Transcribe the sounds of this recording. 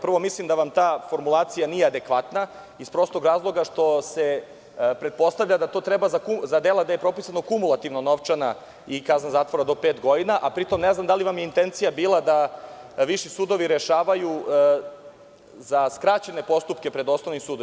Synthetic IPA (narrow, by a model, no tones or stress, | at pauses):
pr̩ʋo̞mislimd̪aʋamt̪aːfo̞ɾmulˠaːt̪sijanijead̪e̞kʋat̪na | ispɾo̞st̪o̞ɡɾaːzlˠo̞ɡaʃt̪o̞se̞ | pɾe̞t̪̚po̞st̪aʋʎad̪at̪o̞ːt̪ɾebazakuzad̪elˠad̪aje̞pɾo̞pisano̞kumulˠat̪iʋnono̞ʋt͡ʃana | ikaznazaːt̪ʋoɾad̪o̞pe̞ːt̪ɡo̞d̪inaʔapɾit̪o̞mneznamd̪aliʋamjeint̪e̞nt̪sijabiːlˠad̪a | ʋiʃisuːd̪o̞ʋiɾeʃaːʋaju | zaskɾat͡ɕe̞ne̞po̞st̪upke̞pɾe̞d̪o̞snoʋnimsuːd̪o